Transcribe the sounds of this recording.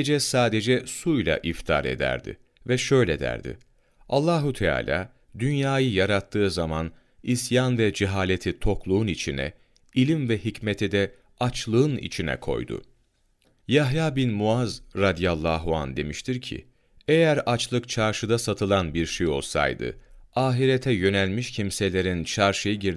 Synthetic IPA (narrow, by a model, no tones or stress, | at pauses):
d͡ʒɛsaːd̪ed͡ʒɛsujlʲˠa̰ʔift̪ʰaɾe̞̰d̪æ̰ɾd̪ɪ̰ | vɛʃø̞jlʲɛd̪æ̰ɾd̪ɪ̰ | alˠːaːɦut̪ʰɛa̰ːlʲa̰ː | d̪ynjaːjɯjaɾat̪ʰːɯːzaman | isjanvɛd͡ʒiɦaːlʲe̞t̪ʰit̪ʰo̞klˠuːunit͡ʃʰinɛ̰ | ilʲimvɛɦicmet̪ʰid̪ɛ | at͡ʃlˠɯɯnḭt͡ʃʰinɛ̰kʰo̞̰jd̪ʊ̰ | jaɦjaːbinmuazɾad̪ijalˠːaːɦuand̪e̞miʃt̪ʰiɾcʰḭ | ejæɾat͡ʃlˠɯkt͡ʃʰaɾʃɯd̪asat̪ʰɯlˠanbiɾʃejo̞lˠsa̰jd̪ɯ̰aːɦiɾet̪ʰɛjø̞nælʲmiʃcʰimse̞lʲe̞ɾint͡ʃʰaɾʃɯjɯɟiɾ